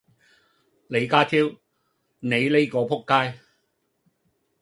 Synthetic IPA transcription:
le˨˧jkaː˥t̪ʰiː˥w | ne˨˧jle˥jkɔː˨˧pʰʊ˥kːaː˥j

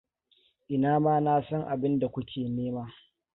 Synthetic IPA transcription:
ʔɪ˨naː˦maː˦naː˦sɐ˦ŋʔa˨bɪ˦nda˨kʷʊ˦kʲʰeː˨neː˦maː˦

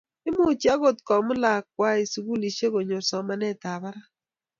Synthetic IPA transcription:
ɪ˦mʊ˦˨t͡ʃi˦a˦ɣo˨tkɔ˨mʊ˦la˨kwa˦i˨su˨ɡu˦li˨ʃe˦ko˨ɲo˨sɔ˨ma˦nɛ˦ta˨βa˦ɾa˦

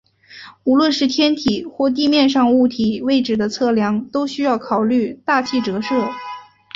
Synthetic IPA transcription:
u˧˥lwə˥˧nʂɻ̩˥˩t̪ʰjɛ˥nt̪ʰi˨˩xwɔ˥˧t̪̬i˥˧mjɛ˥˧nʂɑ˥˧ŋu˥˩t̪ʰi˨˩we˥˩ɪʈ͡ʂɻ̩˨˩d̪ə˦t͡sʰɤ˥˩ljɑ˧˥ŋt̪o˥ʊɕy˥jɑ˥˩ʊkʰɑ˨˩ʊly˥˧t̪a˥˧t͡ɕʰi˥˩ʈ͡ʂɤ˧˥ʂɤ˥˩

